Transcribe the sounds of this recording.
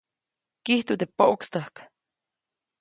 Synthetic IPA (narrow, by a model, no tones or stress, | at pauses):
kiht̪ud̪epoʔukst̪əhk